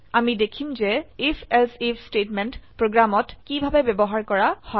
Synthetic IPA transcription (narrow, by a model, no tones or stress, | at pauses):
amidekʰimzɛifʰɛlsipstetmɛntpɹoɡɹamɔtkibʱabɛbɛbɔɦaɹkɔɹahɔ